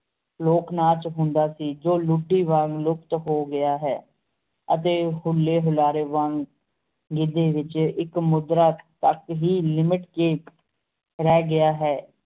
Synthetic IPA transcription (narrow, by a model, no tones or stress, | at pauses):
loːknaːt͡ʃɦʊ̃nd̪aːsiːd͡ʒoːlʊɖːiːʋəŋlʊkt̪ɦoːɡɪjaːɦɛː | ət̪eːɦʊlːeːɦʊlaːɾeːʋəŋ | ɡɪd̪eːʋɪt͡ʃɪkmʊd̪ɾaːt̪əkɦiːlɪmɪʈkeː | ɾɛːɡɪjaːɦɛː